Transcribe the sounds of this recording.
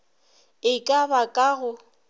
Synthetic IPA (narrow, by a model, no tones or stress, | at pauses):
ɪkʼabakʼaɣʊ